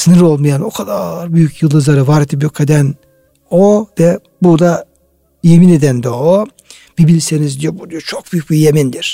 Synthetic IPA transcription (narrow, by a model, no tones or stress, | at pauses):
sɯnɯɾo̞lˠmɯjano̞kʰad̪aɾbyjycjɯlˠd̪ɯzˠaɾɯvaɾed̪ip̬jokʰed̪æn | ovɛ | buɾd̪a | jemined̪ænd̪oo | b̥ibilʲsenizd̪id͡ʒɛbud̪uɾt͡ʃʰok̚b̥yjyc̚ʲbijemind̪iɾ̥